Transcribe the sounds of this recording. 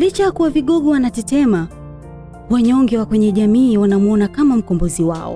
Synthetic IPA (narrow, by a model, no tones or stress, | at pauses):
lit͡ʃajakuwaviɠɔɠɔwanatɛtɛma | waɲɔŋɡɛwakwɛɲɛʄamiːwanamuɔnakamam̩kɔmbɔziwa̰ɔ̰